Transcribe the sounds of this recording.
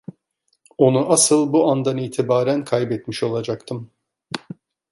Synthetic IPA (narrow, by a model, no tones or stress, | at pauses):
o̞nuʔasɯlˠbuand̪aniːt̪ʰibaːɾænkʰajbɛt̪miʃo̞lˠad͡ʒakt̪ʰɯm